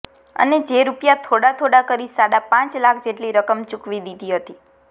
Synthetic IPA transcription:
ə̰ned͡ʒeɾupjat̪ʰoɽat̪ʰoɽakəɾisaɽapãt͡ʃlakʰd͡ʒeʈliɾəkəmt͡ʃukʋid̪id̪iɦət̪i

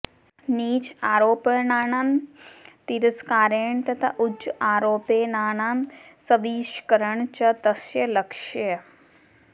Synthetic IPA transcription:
niːt͡ʃaːɾoːpəɭnaːnaːm | t̪iɾɐskaːɾeːɳt̪ɐt̪ʰa̰ʔʊd͡ʒʔaːɾoːpeːnaːɳaːmsɐʋiːʃkɐɾəɳt͡ʃɐt̪ɐsjɐlɐkʃj

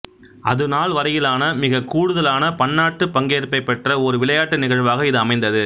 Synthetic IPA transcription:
ɐðɯnaːɭʋɐɾɐjɪlaːnɐmɪɣɐkuːɽɯðɐlaːnɐpɐɳːaːʈːɯpɐŋɡeːɾpɐɪpːɛʈrɐɔɾɯʋɪɭɐjaːʈːɯnɪɣɐɻʋaːɣɐɪðɯɐmɐɪnd̪ɐðɯ

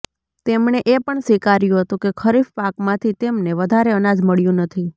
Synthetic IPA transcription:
t̪emɳeʔepəɳsʋikaɾjũɦət̪ũkekʰəɾifpakmãt̪ʰit̪emneʋəd̪ʱaɾeənad͡ʒməɭjũnət̪ʰi

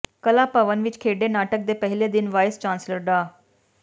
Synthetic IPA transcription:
kəlaːpəʋənʋɪt͡ʃkʰeːɖeːnaːʈək̚d̪eːpɛɦleːd̪ɪnʋaːjst͡ʃaːnsləɾɖaː

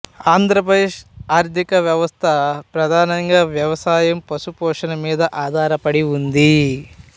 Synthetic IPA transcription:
aːnd̪ɾɐpɾɐd̪eːʂaːɾd̪ʱikɐʋjɐʋɐst̪ʰɐpɾɐd̪ʱaːnɐŋɡaːʋjɐʋɐsaːjɐmpɐsupɔːʂɐnɐmiːd̪ɐʔaːd̪ʱaːɾɐpɐɽiund̪i

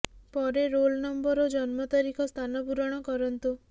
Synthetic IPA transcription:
pɔɾeɾolnɔmbɔɾod͡ʒɔnmɔt̪ɔɾikʰɔst̪ʰanɔpuɾɔɽ̃ɔkɔɾɔnt̪u

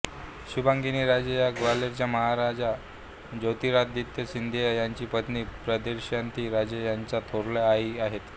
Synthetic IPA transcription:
ɕubaŋɡiniːɾad͡ʑəjaɡʋaleɾt͡ɕjaməɦaɾad͡ʑa | d͡ʑəwt̪iːɾat̪̚d̪it̪ːəsind̪ʱejjaɲt͡ɕiːpət̪niːpɾəd̪eɾɕjant̪ʰiːɾad͡ʑəjaɲt͡sat̪ʰoɾlaaiaɦet̪

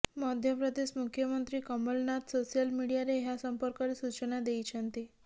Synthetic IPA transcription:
məd̪ʱjəpɾəd̪eɕmukʰjəmənt̪ɾiːkəməlnat̪sosijəlmiɽijaɾeɦjasəmpəɾkəɾesut͡ɕənad̪eit͡ɕʰant̪e

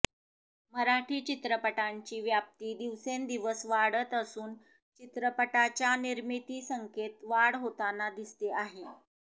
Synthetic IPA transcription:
məɾaʈʰiːt͡ɕit̪ɾəpəʈaɲt͡ɕiːʋjap̚t̪iːd̪iʋsend̪iʋəsʋaɽət̪əsuːn | t͡ɕit̪ɾəpəʈat͡ɕjaniɾmit̪iːsəŋket̪ʋaɽɦot̪anad̪ist̪eʔaɦe

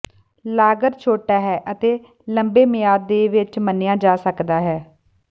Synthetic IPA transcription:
laːɡəɾt͡ʃʰoːʈaːɦɛːʔət̪eː | ləmbeːmɪjaːd̪eːʋɪt͡ʃmənːɪjãːd͡ʒaːsəkd̪aːɦɛː

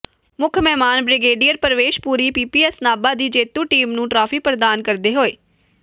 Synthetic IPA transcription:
mʊkʰmɛːmaːnbɾɪɡeːɖijəɾpəɾəʋeːʃpuːɾiːpiːpiːɛsnaːbaːd̪iːd͡ʒeːt̪ũːʈiːmnũːʈɾaːpʰiːpɾd̪aːnkəɾd̪eːɦoːeː

